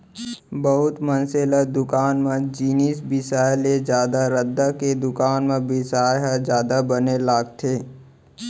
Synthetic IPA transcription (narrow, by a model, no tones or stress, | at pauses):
bəɦʊt̪mənseːləd̪ʊkaːnmẽd͡ʒiːniːsbɪsaːjled͡ʒjaːd̪aɾəd̪ːaked̪ʊkaːnmẽbɪsaːjɦad͡ʒjaːd̪abənelaːɡt̪ʰeː